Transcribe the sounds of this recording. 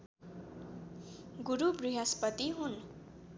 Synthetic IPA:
ɡuɾubriɦaspʌt̪iɦun

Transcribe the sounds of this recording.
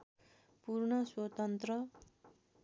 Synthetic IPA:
purɳʌswʌt̪ʌnt̪rʌ

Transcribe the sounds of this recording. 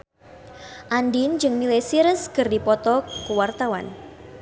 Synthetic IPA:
ʔandind͡ʒɨŋmilesiɾəskərdipɔt̪ɔkəwart̪awa̰n

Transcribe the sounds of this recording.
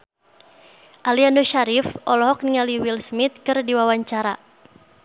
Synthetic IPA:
ʔaliandoʃaɾifʔɔlɔɦɔk̚niŋaliwilsmit̪̚kɨrdiwawaɲt͡ʃaɾa

